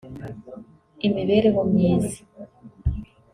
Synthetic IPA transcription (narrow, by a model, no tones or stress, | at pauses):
imiβeɾewomɲiːzi̥